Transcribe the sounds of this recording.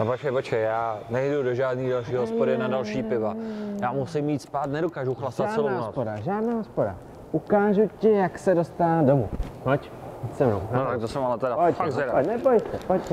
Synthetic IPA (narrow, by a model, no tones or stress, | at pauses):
opot͡ʃkɛjpot͡ʃkɛjjaːnɛjdudoʒaːdniːdalʃiːɦospoɾɪnadalʃiːpɪvajaːmusɪmːiːt̪spaːt̪nɛdokaːʒuxlast̪at͡sɛloospodaʒaːdnaːɦospoda̰ | ʔukaːʒucɪjaksɛdost̪adomṵnoc | isɛmnowt̪ak̚t̪osɛmalɛt̪ɛɾapoaɛaponɛpojsɛpocɛ